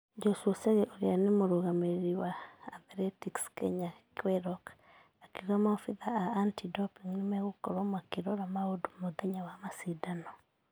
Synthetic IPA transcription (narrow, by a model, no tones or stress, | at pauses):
d͡ʒɔswɔseɣeʔoɾjanemoɾoɣameɾiwaːðɾɛtikskɛ̰ɲakwɛɾɔk | akiɣɔmaɔfiðaaːntidɔpiŋnemɛɣokɔɾɔmwakeɾɔɾamaodumoðɛɲawamasidanɔ